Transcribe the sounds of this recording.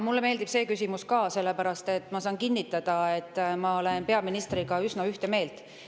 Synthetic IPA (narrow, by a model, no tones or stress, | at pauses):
mulːeme̞ːld̪ib̥se̞ːkysʲimuskɑːse̞lːe̞pæɾɑst̪e̞t̪ːˑmɑsɑːnkinːit̪ːˑɑd̪̥ɑe̞t̪ːmɑolenpe̞ɑminist̪riɡ̥ɑysnɑyht̪e̞me̞ːlt̪